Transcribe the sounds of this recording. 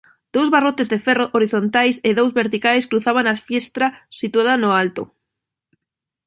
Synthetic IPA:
d̪̥owzβarot̪ezðefɛroʔoɾiθont̪ajsɪðowzβeɾt̪ikajskɾuθaβaŋasfjest̪ɾasit̪uaðɐnʊalt̪ʊ̰

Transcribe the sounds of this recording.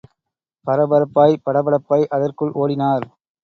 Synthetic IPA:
pɐɾɐbɐɾɐpːaːjpɐɽɐbɐɽɐpːaːjʔɐðɐrkɯɭʔoːɽɪnaːɾ

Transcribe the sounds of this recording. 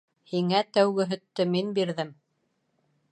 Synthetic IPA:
hiŋæt̪æwɡɘ̆ɦɵ̆t̪ːɵminbiɾðɘm

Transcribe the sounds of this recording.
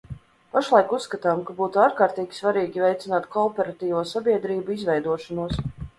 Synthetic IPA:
paʃlˠajkusːkat̪aːmkabuːt̪uaːɾkaːɾt̪iːɡʲi̥svaɾiːɡʲivʲɛjt̪sinaːt̪kɔːpɛɾat̪iːvuːsabiɛd̪ɾiːbuizvɛjd̪uɔʃɔnuɔs

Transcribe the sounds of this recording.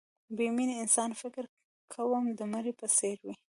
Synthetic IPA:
biminɪnsɑnfɪkɪɾ | kʰawəmd̪əmaɾipəseɾwi

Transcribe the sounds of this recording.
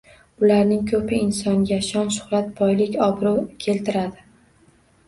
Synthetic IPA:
ʊlaɾnɪŋkʰɵpʰɪɪnsɒŋɡʲaʃɒnʃʊ̥χɾat̪̚bɒjlɪkʲɒbɾokʲʰe̞lt̪ʰɪɾad̪ɪ

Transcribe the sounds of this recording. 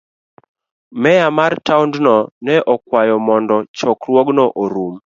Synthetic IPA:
mɛjamartaʊndnɔnɛʔɔkwajɔmɔndɔt͡ʃɔkɾwɔɡnɔʔoɾum

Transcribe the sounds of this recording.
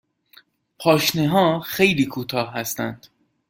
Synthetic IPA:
pʰɒːʃneɦɒːxe̞jliːkʰuːt̪ʰɒːhhæst̪æ̰nd̪̥

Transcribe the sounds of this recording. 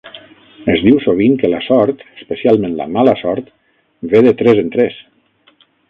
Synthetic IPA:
əzðiwsoβ̞iŋkəlasɔɾt̪əspəsialˠmẽnla̰malasɔɾt̪ | βeðət̪ɾezənt̪ɾes

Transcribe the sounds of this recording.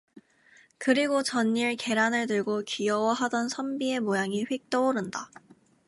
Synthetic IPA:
kɯɾiɡot͡ɕʌɲːiɭke̞ɾanɯɭtɯɭɡokijʌwʌɦadʌnsʰʌmbie̞mojaŋiɸwek̚t͈ʌoɾɯnda

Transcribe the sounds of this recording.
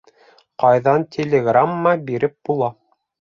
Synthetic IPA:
qɑjðɑnt̪ʲʰelʲeɡramːɑbiɾɘp̚b̥ulˠɑ

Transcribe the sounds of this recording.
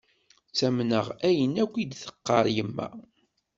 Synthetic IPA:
t͡sːæmnəʁæjənækʷːid̪θə̥qːɑɾˤjəmːæ̰

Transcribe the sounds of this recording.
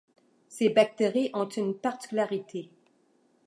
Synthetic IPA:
sebak̚t̪eʁiʔɔ̃t̪ynpaʁt̪i̥kʲylaʁit̪ʰe

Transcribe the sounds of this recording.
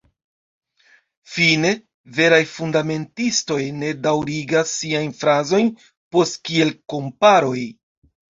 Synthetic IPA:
fine̞ | ve̞ɾajfundame̞ntisto̞jne̞dawɾiɡasːiajnfɾazo̞jn | po̞stkie̞lko̞mpaɾo̞j

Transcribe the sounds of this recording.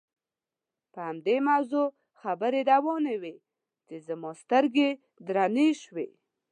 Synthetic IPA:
pəhamd̪emawzo | xabəɾed̪awɔnewe | t͡ʃezamɔst̪əɾɡe | d̪ɾaneʃwḛ

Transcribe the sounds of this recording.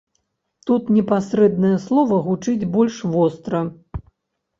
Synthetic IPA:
t̪ut̪nʲɛpasɾɛd̪nɐjɐslˠɔvɐɣut͡ʂɨd͡zʲbɔlʲʂvɔst̪ɾɐ

